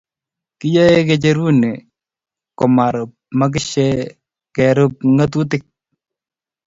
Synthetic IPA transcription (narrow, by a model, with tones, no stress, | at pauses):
kɪ˦jɔ˦e˦k̬ɛ˨t͡ʃe˦ɾu˦ne˨ | kɔ˨ma˨ɾʊ˨p̚ma˦k̬ɪ˦ʃe˦ | kɛ˨ɾʊ˦p̚ŋa˦t̬u˦t̬ɪ˦k̚